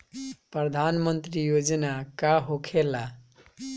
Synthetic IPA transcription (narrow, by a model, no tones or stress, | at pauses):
prʌd̪ʱanmʌnt̪rijod͡zʌnakaɦokʰela